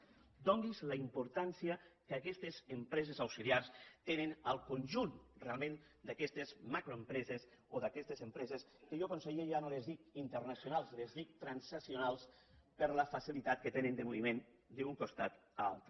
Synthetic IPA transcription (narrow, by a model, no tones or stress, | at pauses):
d̪ɔŋɡizləimpuɾt̪ansiəkakɛst̪ezəmpɾɛzezawsiliarst̪enenəlˠkonʲʒunrealˠmẽn | d̪akɛst̪ezmakɾoempɾɛzes | oðakɛst̪ezəmpɾɛzeskəʒokonseɣieʒanolezðikint̪ərnasjonalˠslezðik̚t̪ɾansasionalˠs | pəɾləfəsilit̪at̪̚kət̪enənd̪əmoβimen | d̪euŋkost̪at̪a̰lˠt̪ɾ